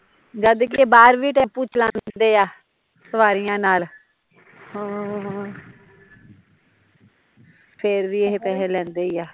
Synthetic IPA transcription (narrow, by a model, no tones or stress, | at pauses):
d͡ʒad̪kɪeːbaːɾʋiːʈɛːpʊt͡ʃʰlãːnd̪eːaː | səʋaːɾijãːnaːl | õː | pʰeɾʋiːeɦepɛːlẽːlɛ̃ːnd̪eːijaː